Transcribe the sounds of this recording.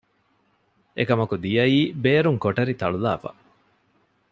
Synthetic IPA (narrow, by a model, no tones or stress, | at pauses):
ʔḛkɐmɐkud̪ijɐiːbeːɾuŋkoʈɐɾit̪ɐ̰ɭula̰ːfɐ̰